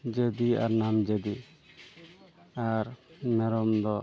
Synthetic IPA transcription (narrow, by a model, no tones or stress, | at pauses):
d͡ʒed̪ia̰ɾnamd͡ʒɛd̪i | aɾmɛɾɔmd̪ɔ